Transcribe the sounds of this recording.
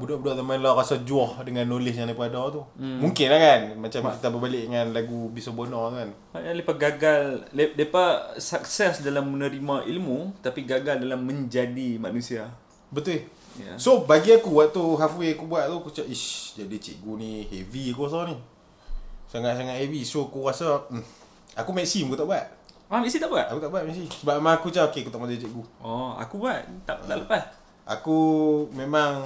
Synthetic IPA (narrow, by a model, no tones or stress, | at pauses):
budɔʔbudɔʔt̪amanlarasad͡ʒuɔhdəŋanːolɪsjaŋlapuadɔt̪umuŋkɪnlakanmat͡ʃamkit̪abəbalɪʔəŋanlaɡubisɔbonɔŋt̪ukan | maʔnalepaɡaɡalledepasak̚sɛsdalamːənəɾimaʔilmut̪apiɡaɡaldalamːəɲd͡ʒadimanusia | bət̪ul | ja̰sobaɡiakuwaʔt̪uɦafweakubuaʔt̪ukut͡ʃaʔid͡ʒadit͡ʃɛ̰ʔɡunĩheviakuas̬ani | saŋaʔsaŋaʔhevisoakuɣasa | akumɛksimkut̪aʔbuaʔ̚ | mamɛs̬it̪aʔbuaʔakut̪aʔbuaʔmɛʔsisəbaʔmãŋakut͡ʃaʔokeakut̪aʔmad͡ʒait͡ʃɛʔɡuɔa̰kubuaʔ̪̚t̪aʔ̪a̰ʔləpas | ʔa̰kumemaŋ